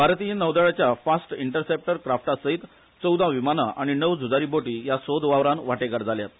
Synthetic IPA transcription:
bʱaɾt̪ijənəʋd̪əɭat͡ɕjafasʈiɳʈəɾsep̚ʈəɾkɾafʈasəɦit̪ | t͡səwd̪ʱaʋimanaʔaɽ̃inəʋd͡zud͡zaɾiboʈiːjasod̪ʋaʋɾanʋaʈeɡəɾd͡zʱalja̰t̪

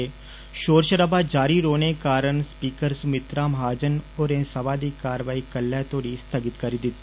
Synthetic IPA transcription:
e | ʃoːɾʃəɾəbaːd͡ʒaːɾiːɾoːnekaːɾəɳspiːkəɾsʊmɪt̪ɾaːmɦaːd͡ʒənoːɾẽːsəʋaːd̪iːkaːɾʋaːiːkəlːaːt̪ʰoːɽiːst̪ʰəɡɪt̪kəɾid̪ɪt̪ː

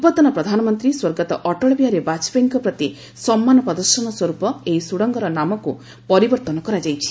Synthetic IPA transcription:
bɔt̪ɔnɔpɾɔd̪ʱanɔmɔnt̪ɾiswoɾɡɔt̪ɔʔɔʈɔɭɔbiaɾebat͡ʃbeŋkɔpɾɔt̪i | sɔmːanɔpɾɔd̪ɔɾsɔnɔswɔɾupɔeisuɽɔŋɡɔɾɔnamɔku | pɔɾibɔɾt̪ɔnɔkɔɾad͡ʒajt͡ʃʰi̥

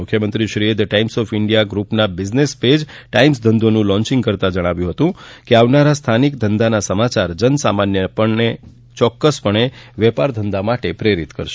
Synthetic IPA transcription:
ʊkʰːjəmənt̪ɾiʃɾied̪ʈaimsɔfɪɳɖijaɡɾupnabɪd͡ʒnesped͡ʒʈaimsd̪ʱənd̪onũlɔ̃ɲt͡ʃɪ̃ŋɡkəɾt̪ad͡ʒəɽ̃aʋjũɦət̪ũkeaʋnaɾast̪ʰanikd̪ʱənd̪anasəmat͡ʃaɾd͡ʒənsamanjəpəɳne | t͡ʃɔkːəspəɳ̃eʋɛpaɾd̪ʱənd̪amaʈepɾeɾit̪kə̰ɾʃe

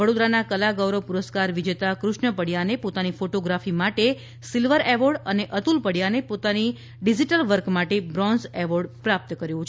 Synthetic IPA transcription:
ʋəɽod̪ɾanakəlaɡʋɾəpuɾəskaɾʋid͡ʒet̪akɾʊʃɳəpəɽjanepot̪anifoʈoɡɾafimaʈe | silʋəɾeʋoɽəneʔət̪ulpəɽjanepot̪ani | ɖid͡ʒiʈəlʋəɾkmaʈebɾɔnzɛʋoɾɖpɾap̚t̪əkəɾjũt͡ʃʰ

